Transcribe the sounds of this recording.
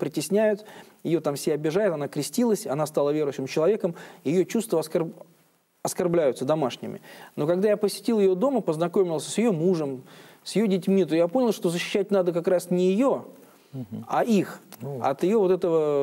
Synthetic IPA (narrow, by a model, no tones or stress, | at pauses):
pɾʲɪtʲɪsʲnʲæjʊt̪jɪjo̞t̪amsʲabʲɪʐajɪt̪ɐnakɾʲɪsʲtʲilˠəsʲɐnast̪alˠəvʲe̞ɾʊjɕːɪmt͡ɕɪlˠɐvʲe̞kəmɪjɪjot͡ɕust̪vəɐsk | ɐskarblʲæjʊt̪səd̪ɐmaʂnʲɪ̰mʲɪ̰no̞kɐɡd̪ajapəsʲɪ̥tʲilˠjɪjo̞d̪o̞məpəznɐko̞mʲɪlˠsʲsjɪjo̞muʐəmsjɪjo̞dʲɪtʲmʲit̪ojaponʲɪlˠʂt̪o̞zəɕːɪ̥ɕːæt̚ʲnad̪əkakɾasnʲɪjɪjo̞ | aʔixɐ̰t̪ɪjo̞vo̞t̪ɛt̪əvə